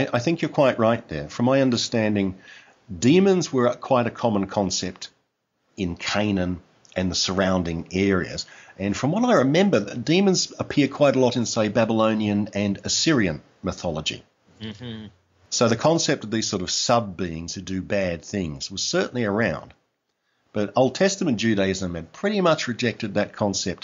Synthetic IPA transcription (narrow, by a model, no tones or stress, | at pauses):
ɪʔaɪθɪ̃ŋkjə˞kʰw̥aɪʔ̚ɹaɪt̪̚ðə̰˞fɹʌ̃mːaɪʌ̃ndə˞stæ̃ndɪ̃ŋ | dĩmɨ̃nzwə˞kʰw̥aɪɾɨkʰɑmə̃nkʰɑ̃nsɛp̚t | ɨ̃nkʰẽɪ̃nɨ̃n | ʔɨ̃nðəsə˞ãʊ̃ndɪ̃ŋɛɹiɨ̰z̥ɨ̃nfɹʌ̃mwʌɾaɪɹɨmɛ̃mbə˞ðd̥ĩmə̃nzəpʰɪɹ̚kʰw̥aɪɾəlɔɾɨ̃nseɪbæbəlõʊ̃niɨ̃nɨ̃nɨsɪɹiɨ̃n | mɨθɑlˠəd͡ʒḭ | soʊðɨkʰɑ̃nsɛp̚tʌvðiz̥sɔɹɾʌv̥sʌb̚biɪ̃ŋz̥ʰɨdɨbæd̪̚θɪ̃ŋz̥wʌz̥sɜ˞ʔn̩liə˞ãʊ̃n | b̥ʌɾoʊlˠd̚tʰɛstɨmɨ̃nd͡ʒʉɾeɪɨzə̃mɨd̥pʰɹ̥ɪɾimʌt͡ʃɹɨd͡ʒɛk̚tɨd̪̚ðɨt̚kʰɑ̃nsɛp̚t̚